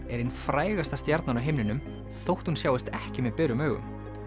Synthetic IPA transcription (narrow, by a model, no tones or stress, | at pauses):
ɛɾinfɾaːjɣast̪ast̪jɛɾt̪nanaɦejmnɪnʏm | θowht̪hunsjaːwɪst̪ɛhcɪmɛðpɛːɾʏmœːɣʏ̰m